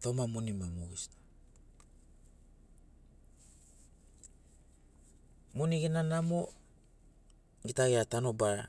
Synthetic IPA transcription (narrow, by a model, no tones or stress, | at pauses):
tomamunimamuis | muniɡinanamo | ɡitaɡeatanobaɾa